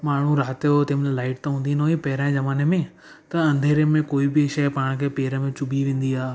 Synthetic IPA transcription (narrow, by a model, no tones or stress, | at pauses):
maːɳ̤ũɾaːt̪ot̪eːmnelaːɪʈ̚t̪ɐɦũːnd̪iːnoːĩpɐɦɪɾãːɪ̃zɐmaːnemẽ | t̪ɐɐ̃nd̪ʱeːɾemẽkoːibɪʃɐpaːɽ̃kʰeːpeːɾəmẽt͡ɕʊbiʋẽːn̆d̪iaː